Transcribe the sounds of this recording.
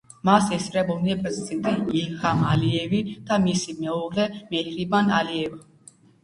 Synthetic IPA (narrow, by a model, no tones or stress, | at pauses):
masɛsɾɛbɔnɛpʼzʰint̪ʼiihamaliɛvid̪̥amisimɛɔʁlɛmɛhɾibanaliɛva